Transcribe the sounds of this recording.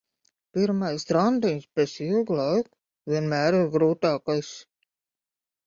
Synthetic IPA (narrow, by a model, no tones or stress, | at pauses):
piɾmajst̪ɾand̪inʲspʲɛsilˠɡlˠajk | vʲiɛnmæːɾiɾɡɾuːt̪ɑːkajs